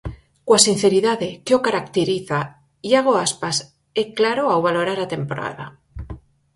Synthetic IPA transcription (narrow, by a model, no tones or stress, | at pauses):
kwasin̟θeɾiðaðekeokaɾak̚t̪eɾiθa | jaɣ̞oaspas | eklaɾoawβalo̞ɾaɾat̪e̞mpoɾa̰ða̰